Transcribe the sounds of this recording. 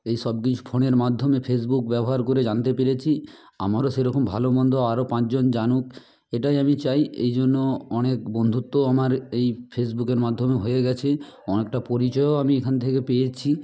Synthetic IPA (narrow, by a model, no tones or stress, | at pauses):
ejʃɔb̚kit͡ɕʰu̥pʰoneɾmad̪ʱːomepʰes̬bukbɛboɦaɾkoɾed͡ʑant̪epeɾet͡ɕʰi | a̰maɾoʃeɾɔkʰombʱalobɔnd̪ʱoaɾopãt͡ɕd͡ʑond͡ʑanuk | eʈajamit͡ɕajḛjd͡ʑonːoɔnek̚bond̪ʱut̪ːoamaɾejpʰesbukeɾmad̪ʱːomeɦojeɡɛt͡ɕʰe | ɔnek̚ʈapoɾit͡ɕɔjoamiekʰant̪ʰekepejet͡ɕʰi